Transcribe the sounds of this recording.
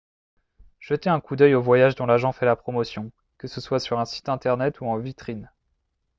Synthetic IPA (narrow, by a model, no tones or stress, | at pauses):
ʒ̥ət̪eɛ̃kud̪œjovwajaʒd̪ɔ̃laʒɑ̃fɛlapχɔmɔsjɔ̃ | kəsəswasyʁɛ̃si̥t̪ɛ̃t̪ɛʁnɛt̪ʰuɑ̃vit̪χin